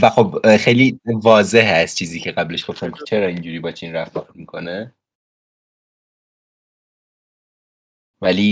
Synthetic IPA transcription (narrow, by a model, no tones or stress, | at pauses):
væxo̞bxejlivɒːze̞ɦæst͡ʃʰiːziːcʰeɣæbleʃɡofemkʰe̥t͡ʃʰeɾɒːind͡ʒuːɾiːbɒːt͡ʃʰinɾæft̪ɔtmikʰo̞ne | væli